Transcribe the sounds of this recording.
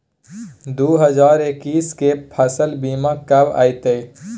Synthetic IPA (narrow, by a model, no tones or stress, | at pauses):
d̪oːɦɐzaːɾekiːskepʰɐsəlbiːmãkɐba̰ːjt̪eː